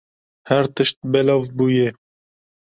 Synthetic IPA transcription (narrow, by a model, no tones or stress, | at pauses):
hæɾt̪əʃt̪̚bɛlɑːvbuːjɛ